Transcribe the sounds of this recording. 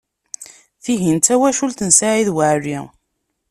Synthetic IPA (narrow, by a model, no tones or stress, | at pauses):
θiɦint̪æwæʃult̪ənsaʕiðwaʕri